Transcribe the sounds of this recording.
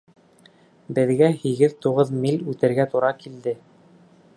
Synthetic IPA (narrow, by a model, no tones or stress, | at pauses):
bɘ̆ðɡæhiɡɘðt̪uʁɤðmilʲʉt̪ɘ̆ɾɡæt̪uɾɑkild̪ɘ